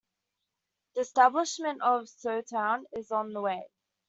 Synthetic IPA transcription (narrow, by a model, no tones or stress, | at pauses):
ðiəstæblɪʃmə̃ntəv̥səʊtʰãʊ̃nɪzn̩ðəweɪ